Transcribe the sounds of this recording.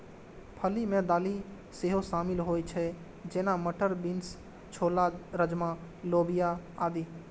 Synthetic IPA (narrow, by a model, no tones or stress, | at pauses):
pʰəlimẽd̪aːli | seɦosaːmɪlɦoːjt͡ʃʰɛ | d͡ʒeːnaməʈəɾbins | t͡ʃʰoːlaɾəd͡ʒmã | loːbijaaːd̪iː